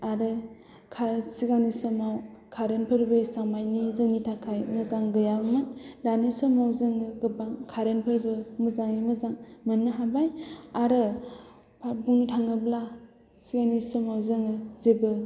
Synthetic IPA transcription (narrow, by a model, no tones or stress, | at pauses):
aɾɯ | kʰasiɡanisɔmawkʰaɾɯnpʰɯɾbɯsaŋmajnizɯŋnitʰakʰajmɯzaŋɡɯjabamɯtdanisɔmawzɯŋɯɡɯbaŋkʰaɾɯnpʰɯɾbɯmɯzaŋimɯzaŋmɯnːɯɦabajaɾɯ | pʰabuŋnitʰaŋɯbla | siɡanisɔmawzɯŋɯzebɯ